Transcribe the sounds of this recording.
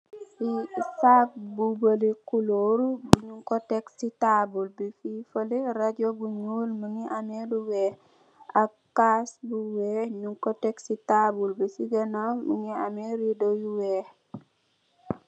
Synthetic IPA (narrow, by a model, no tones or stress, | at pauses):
isak̚bubəlikuloɾubuɲuŋkoteksitabulbififəliɾaɟobuɲuːlməŋiʔameluwe | a | kːasbuweɲuŋkoteksitabulbisiɡenaməŋiameɾidojuweːh